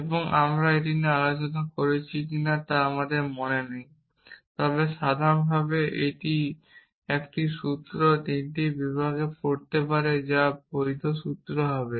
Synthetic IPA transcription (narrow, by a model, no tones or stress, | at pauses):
eboŋʔamɾaeʈ̬inialot͡ɕonakoɾet͡ɕʰikinat̪aamad̪eɾmonenej | t̪ɔbeʃad̪ʱaɾonbʱabeʔeʈi | ekʈiʃut̪ɾot̪inʈibibʱaɡekoɾt̪epaɾed͡ʑapoɾit̪ʰoʃut̪ɾoɦɔbe